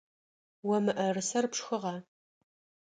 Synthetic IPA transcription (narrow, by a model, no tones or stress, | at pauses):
wɔmɨʔɐrɨsɐrpʂxɨʁɑː